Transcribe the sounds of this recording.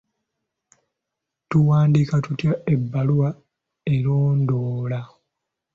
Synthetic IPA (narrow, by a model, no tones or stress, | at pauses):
tuwaːndikatutjaebːaluwa | e̞ɾoːndoːla